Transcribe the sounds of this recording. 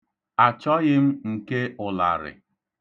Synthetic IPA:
a˨t͡ʃɔ˦ɣɪ˦m̩˦ŋ̩˨ke˦ʊ˨la̰˨ɾɪ̰˨

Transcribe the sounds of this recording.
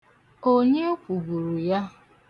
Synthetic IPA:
o˦ɲe˦kʷu˨bu˨ɾu˨ja˦

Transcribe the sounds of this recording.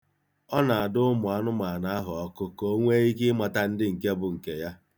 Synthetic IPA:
ɔ˦na˨a˨dʊ˦ʊ˦mʊ˨a˨nʊ˦ma˨na˨a˦ɦʊ˨ɔ˦kʊ˦ko˦ŋʷe˦i˦k̬ɪ˦ma˨ta˦n̩˦dɪ˦ŋ̩˨ke˦bʊ˨ŋ̩˨ke˨ja˦

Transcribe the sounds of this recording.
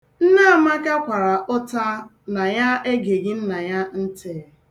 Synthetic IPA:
n̩˦na˦a˨ma˦ka˦kʷa˨ɾa˨ʔʊ˦ta˦ | na˨ja˦e˦ɡe˨ɡɪ˦n̩˦na˨ja˦n̩˦te˨

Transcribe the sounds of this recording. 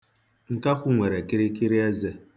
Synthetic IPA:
ŋ̩˨ka˦kʷu˦ŋʷe˨ɾe˨ki˦ɾi˦ki˦ɾi˦e˦ze˦

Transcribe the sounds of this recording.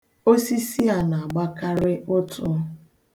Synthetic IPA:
o˦si˦si˦a˨na˨a˨ɡ͡ba˦ka˦ɾɪ˦ʊ˦tʊ˦

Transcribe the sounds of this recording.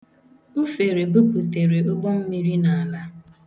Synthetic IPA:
u˦fe˨ɾe˨bu˦ku˨te˨ɾe˨o˦bɔ˦m̩˦mi˦ɾi˦na˨a˨la˦

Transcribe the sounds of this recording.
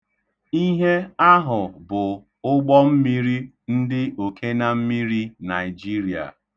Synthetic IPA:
i˦ɦe˦a˦ɦʊ˨bʊ˨ | ʊ˦ɡ͡bɔ˦m̩˦mi˦ɾi˦ | n̩˦dɪ˦ʔo˨kʰe˦na˦m̩˦mi˦ɾi˦na˨ɪ˨d͡ʒi˦ɾi˨a̰˨

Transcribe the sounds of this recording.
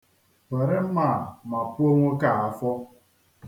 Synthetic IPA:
we˨ɾɪ˦m̩˦ma˦˨ma˨pu˦o˦ŋʷo˦ka˦˨a˦fɔ˦

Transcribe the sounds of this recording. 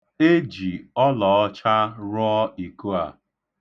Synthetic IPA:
e˦d͡ʒi˨ɔ˦lɔ˨ɔ˦t͡ʃa˦ɾʊ˦ɔ˦i˨ku˦a̰˨

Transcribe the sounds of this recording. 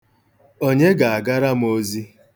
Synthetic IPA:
o˦ɲe˦ɡa˨a˨ɡa˦ɾa˦m̩˦o˦zi˦

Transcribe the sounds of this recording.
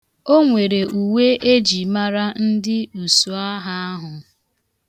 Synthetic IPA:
o˦ŋʷe˨ɾe˨u˨we˦ʔe˦d͡ʒi˨ma˦ɾa˦n̩˦dɪ˦u˨su˨a˦ɦa˦a˦ɦʊ˨

